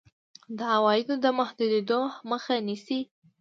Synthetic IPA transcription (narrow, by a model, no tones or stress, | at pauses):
d̪əawɑjɪd̪od̪əmʊhd̪ud̪ed̪oməxanisi